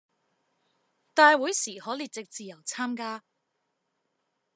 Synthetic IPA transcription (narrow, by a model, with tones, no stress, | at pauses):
t̪aː˧jwu˨˥jsiː˨˩hɔː˨˥liː˨˧t͡sɪ˨k̚t͡siː˨˧jɐ˨˩wt͡sʰaː˥mkaː˥